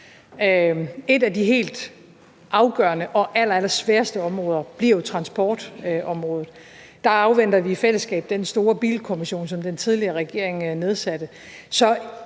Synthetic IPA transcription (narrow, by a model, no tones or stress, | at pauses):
øe̝dæd̥iɦe̝̰ːld̥ | ʔɑ̈ʊɡ̥ɶːɐnəʔɒ̽ʔælɐælɐsʋæːɐsd̥əɒ̽mʁɔ̽ːð̞ˠɐb̥liɐ̰jo̝t͡sʰʁɑ̈nsb̥ɒ̰ːd̥ʔɒ̽mʁɔːð̩ˠ | d̥ɑ̈ɑ̈ʊʋen̰d̥ɐʋifel̰əsɡ̥ɛ̰ːb̥̚d̥ensd̥o̝ːɐb̥ḭːlkʰomiɕo̝̰ːnsɒ̽md̥ent͡sʰið̞ˠliɐʁɛɡ̥e̝ɐ̰e̝ŋne̝ð̞ˠsæd̥ə | sɒ̽